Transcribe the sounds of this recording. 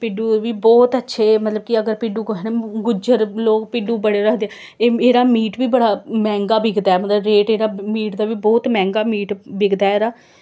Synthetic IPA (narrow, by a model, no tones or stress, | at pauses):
pɪɖuːʋiːbɔːt̪ətːʃʰeːmət̪ləb̚kɪəɡəɾpɪɖuːkɦnːɡʊd͡ʒəɾloːkpɪɖuːbəɽeːɾəkʰd̪eɛ | eːeːɾaːmiːʈʋiːbəɽaːmɛ̃ːŋɡaːbɪɡd̪aːɛːmət̪ləɾeːʈeːɾaːmiːʈd̪aːʋiːbɔːt̪mɛ̃ːŋɡaːmiːʈbɪɡd̪aːɛːɾaː